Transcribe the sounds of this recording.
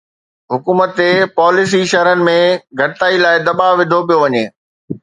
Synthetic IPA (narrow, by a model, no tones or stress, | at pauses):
ɦʊkuːmət̪epɔːlɪs̬iʃɐɦɾənɪ̆mẽɡʱɐɽɪt̪aːilaːɪd̪ɐɓaʋɪd̪ʱop̬ijoʋɐɲeː